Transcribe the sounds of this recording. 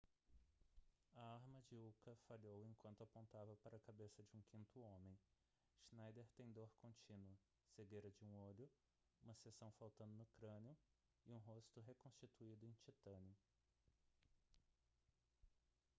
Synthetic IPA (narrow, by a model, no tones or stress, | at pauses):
ɐaɾmɐd͡ʒɪukɐfaʎowẽkwɐ̃nt̪ʊapõnt̪avɐpaɾɐkabesɐd͡ʒɪũkʰĩnt̪ʊõmẽj̃ | ʃnajd̪eɾt̪ẽj̃d̪oɾkõnt͡ʃĩnwʊ | seɡejɾɐd͡ʒɪũoʎʊ | ũmɐsesɐ̃w̃fawt̪ɐ̃nd̪ʊnʊkɾɐ̃nɪʊ | ɪũɦost̪ʊɦekõst͡ʃit̪uid̪ʊẽj̃t͡ʃit̪ɐ̃nɪʊ